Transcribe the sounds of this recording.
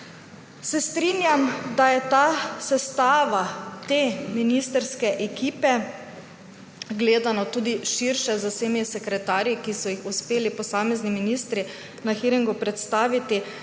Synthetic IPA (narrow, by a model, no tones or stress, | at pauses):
sɛst̪ɾiːnjamd̪ajɛt̪asɛst̪aːʋat̪eːminist̪əɾskɛʔɛkiːpɛ | ɡleːd̪anɔt̪uːd̪iʃiɾʃɛzaseːmisɛkɾɛt̪aːɾjikisɔjixuspeːlipɔsaːmɛzniminist̪ɾi | naxiɾiŋɡupɾɛt̪st̪aːʋit̪i